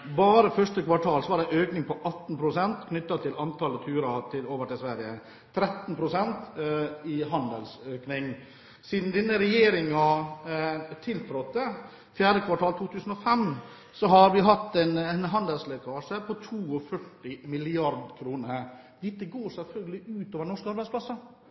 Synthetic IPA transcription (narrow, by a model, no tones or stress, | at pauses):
bɑːɾəfœʂʈəkʋɑʈʰɑːlsɔʋɑɖæʔøːknɪŋpɔʔɑt̪ːn̩pʰɾʊsɛnt̪kʰnʏt̪ːɑt̪ʰɪlɑnt̪ʰɑlət̪ʰʉːɾɑt̪ʰɪloːʋəʈɪsʋæɾɪə | t̪ʰɾɛt̪npʰɾʊsɛnt̪ɪɦɑnd̪əlsøːknɪŋ | siːd̪n̩d̪ɪnːəɾɛjeːɾɪŋɑ | t̪ʰɪlt̪ʰɾɔt̪ːə | fjæːɖəkʰʋɑʈʰɑːlt̪ʰuːt̪ʰʉːsən̩ɔfɛm | sɔɦɑɾʋɪɦɑt̪ːɛnnɦɑnd̪əlslɛkʰɑːʂəpʰɔt̪ʰuːɔfœʈːɪmɪlɪɑɾd̪kʰɾuːnə | d̪ɪt̪ːəɡoːɾsɛlfœlɡəlɪʔʉːt̪oːʋəɳnɔʂkɑɾbæɪsplɑsːɑ